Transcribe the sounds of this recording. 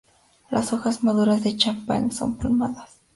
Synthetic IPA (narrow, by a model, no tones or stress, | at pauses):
lasoxasmaðuɾazðet͡ʃampa̰ŋso̞̰mpalmaðas